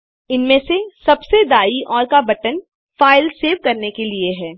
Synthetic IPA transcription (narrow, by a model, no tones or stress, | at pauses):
ɪnmẽsesɐbsed̪aːiɔːɾkabɐʈən | faːɪlseːʋkɐɾnekelieɦɛː